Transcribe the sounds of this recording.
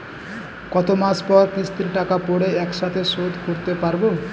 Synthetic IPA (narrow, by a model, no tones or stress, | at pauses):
kɔt̪omaspɔɾt̪ist̪inʈakapoɽeɛksat̪ʰesod̪ʱkoɾt̪epaɾbo